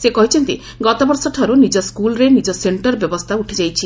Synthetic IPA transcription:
sekɔɦit͡ʃʰent̪i | ɡɔt̪obɔɾsɔʈʰɔɾonid͡ʒɔskulɾenid͡ʒɔseɳʈɔɾbjɔbost̪ʰauʈʰed͡ʒajt͡ʃʰi

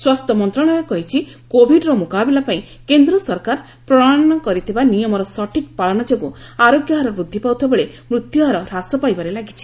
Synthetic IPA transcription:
swast̪ʰɔmɔnt̪ɾɔɽ̃ɔɾekɔɦit͡ʃʰi | kobʱiɖɾɔmukabelapaĩ | kend̪ɾɔsɔɾkaɾ | pɾɔɽaɽɔnɔkɔɾit̪ʰibanijɔmɔɾɔsɔʈik̚paɭɔnɔd͡ʒoɡuaɾoɡjɔɦɔɾɔbud̪ʱːipawt̪ʰɔbeɭe | mɾut̪juɦɔɾɔɾasɔpajbaɾelaɡit͡ʃʰi̥

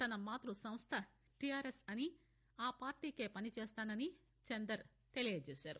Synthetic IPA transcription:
t̪ɐnɐmaːt̪ɾusɐmst̪ʰɐ | ʈijaːɾesɐni | aːpaːɾʈiːke̞ːpɐnit͡ʃeːst̪aːnɐni | t͡ʃend̪ɐɾ | t̪e̞lijɐd͡ʒeːsaːɾu

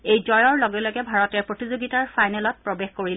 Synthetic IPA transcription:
ejzɔjɔɹlɔɡɛlɔɡɛbʱaɹɔtɛɹpɹotizoɡitaɹfajnɛlɔt̚pɹobexkoɹilɛ

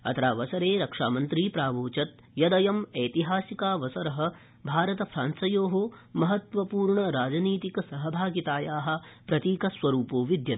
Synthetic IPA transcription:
ɐ̰t̪ɐɾaːʋɐsɐɾeːɾɐkʂaːmɐnt̪ɾiːpɾaːʋoːt͡ʃɐt̪̚ | jɐd̪ɐjɐmeːt̪iɦaːsikaːʋɐsɐɾɐɦɐ̆ | bʱaːɾɐt̪ɐfʰɾaːnsɐjoːɦomɐɦɐt̪ʋɐpuːɾɳɐɾaːd͡ʒɐniːt̪ikɐsɐɦɐbʱaːɡit̪aːjaːɦɐ̆pɾɐt̪iːkɐsʋɐɾuːpoːʋid̪jɐt̪

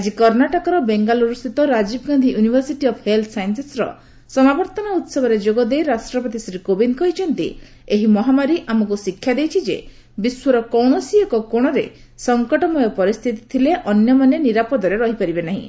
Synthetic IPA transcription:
ad͡ʒikɔɾnaʈɔkɔɾɔbeŋɡaluɾust̪ʰit̪ɔɾad͡ʒibɔɡand̪ʱijunibʱɔɾsiʈiɔpʰhelt̪ʰsajnsesɾɔ̰ | sɔmabɔɾt̪ɔnaut̪sɔbɔɾed͡ʒoɡɔd̪ejɾasʈɾɔpɔt̪isɾikobinkɔɦit͡ʃʰɔnt̪ḭ | eɦimɔɦamaɾiʔamɔkusikʰːjad̪ejt͡ʃʰid͡ʒḛ | biswɔɾɔkɔwɳɔsiekɔkoɽ̃ɔɾe | sɔŋkɔʈɔmɔjɔpɔɾist̪ʰit̪i̥t̪ʰileʔɔnjɔmaneniɾapɔd̪ɔɾeɾɔɦipaɾibenaɦḭ̃

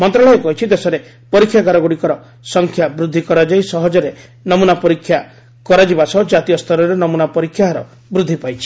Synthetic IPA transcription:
mɔnt̪ɾɔɭɔekɔɦjt͡ʃʰid̪esɔɾe | pɔɾikʰːjakaɾɔɡuɽikɔɾɔ | sɔŋkʰjabɾud̪ʱːikɔɾad͡ʒajsɔɦɔd͡ʒɔɾe | nɔmunapɔɾikʰːja | kɔɾad͡ʒibasɔd͡ʒat̪ijɔst̪ʰɔɾɔɾenɔmunapɔɾikʰːjaɦɾɔ̰ | bɾud̪ʱːipajt͡ʃʰi̥

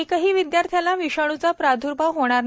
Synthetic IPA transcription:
ikəɦiːʋid̪jaɾt̪ʰjalaʋiɕəɽ̃ut͡sapɾad̪ʱuɾbaɦoɽ̃aɾ

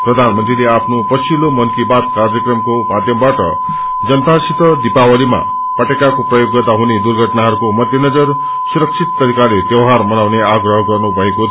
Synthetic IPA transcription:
prʌd̪ʱanmənt̪ɾileapʰnopʌt͡sʰilomʌnkibat̪̚kard͡zjʌkrʌmkomad̪ʱjʌmbaʈʌ̰ | d͡zʌnt̪asit̪ʌd̪ipawʌlima̰ | pʌʈekakoprʌjoɡːʌt̪aɦuned̪urɡʱʌʈnaɦʌɾukomʌd̪ʱjenʌd͡zʌr | suɾʌksʰit̪ːʌɾikalet̪jʌwɦaɾmʌnawneaɡrʌɦʌɡʌrnubʱʌeko

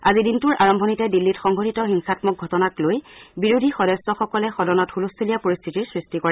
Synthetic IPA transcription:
azidintuɹʔaɹɔmbʱɔnitɛdilːitxɔŋɡʱɔtitɔxiŋsatmɔk̚ɡʱɔtɔnaklojbiɹudʱixɔdɔstɔxɔkɔlɛxɔdɔnɔthulustʰilijapoɹist̪ʰitiɹsɹistikɔɹɛ

